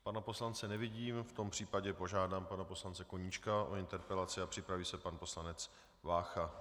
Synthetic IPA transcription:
panapo̞slant͡sɛnɛvɪɟiːmft̪o̞mpr̥iːpaɟɛpo̞ʒaːdaːmpanapo̞slant͡sɛkoɲit͡ʃkaʔo̞ɪnt̪ɛɾpɛlat͡sɪapr̥ɪpɾaviːsɛpanpo̞slanɛt͡s | vaːxa

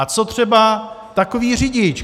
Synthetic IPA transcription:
t͡sot̪r̝̥ɛba | t̪ako̞viːrɪɟɪt͡ʃ

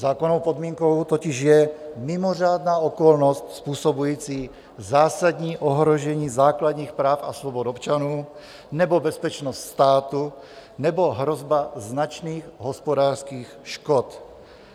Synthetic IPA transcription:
zaːkonowpod̪miːŋkowt̪ocɪʒjɛmɪmor̝aːd̪naːokolnost̪spuːsobujiːt͡siː | zaːsad̪ɲiːʔoɦɾoʒɛɲiːzaːkladɲiːxpɾaːfasvobod̪opt͡ʃanuː | nɛbobɛspɛt͡ʃnost̪st̪aːt̪u | nɛboɦɾozbaznat͡ʃniːxɦospodaːr̥skiːxʃkot̪

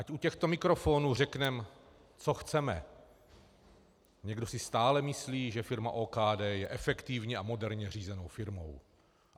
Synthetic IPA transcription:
ʔacʔucɛxt̪o̞mɪkɾo̞fo̞ːnurɛknɛm | t͡so̞xt͡sɛmɛ̰ | ɲɛɡdo̞sɪst̪aːlɛmɪsliːʒɛfɪɾma̰ʔoːkaːdɛːjɛʔɛfɛkt̪ɪvɲɛamo̞dɛɾɲɛr̝iːzɛno̞wfɪɾmo̞̰w

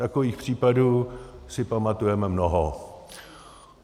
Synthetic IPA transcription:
t̪akoviːxpr̝̥iːpaduːsɪpamat̪ujɛmɛmnoɦo

